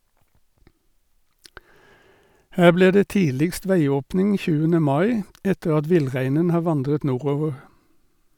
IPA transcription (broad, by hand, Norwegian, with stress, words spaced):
ˈhæː ˈbliː ˈdeː ˈtiːlɪkst ˈʋæɪˌoːpnɪŋ ˈçʉːənə ˈmɑɪ ˈɛtəʁ ˈɑt ˈʋɪlˌʁæɪnən ˈhɑː ˈʋɑndʁət ˈnuːˌʁoːʋəʁ